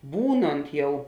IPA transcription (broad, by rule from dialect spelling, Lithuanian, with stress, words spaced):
ˈbuːnoːnt ˈjɛʊ